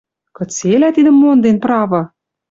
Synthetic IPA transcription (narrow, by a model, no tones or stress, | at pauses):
kɤ̆t͡selæt̪id̪ə̆mːond̪enpɾɑvɤ̆